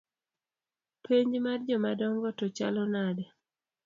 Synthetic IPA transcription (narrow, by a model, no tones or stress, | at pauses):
pʰeɲd͡ʒmard͡ʒɔmadɔŋɡɔtɔt͡ʃa̰lɔnadɛ